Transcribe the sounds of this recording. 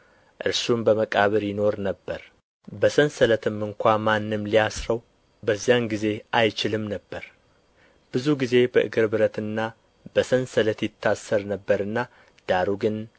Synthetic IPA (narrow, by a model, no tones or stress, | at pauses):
ʔɨ̰ɾsumbəməkʼaβɨɾjɪno̞ɾnəbːəɾ | bəsənsələt̪ʰɨmːɨŋkʷamanːɨmlijasɾəw | bəzːijanɡize̞ʔajt͡ʃɪlɨmnəbːəɾ | b̥ɨzuɡize̞bəʔɨ̰ɡɨɾbɨɾət̪ɨnːa | b̥əsənsələt̪jɪt̪ʰːasːəɾnəbːəɾɨnːa | d̪̥aɾuɡɨn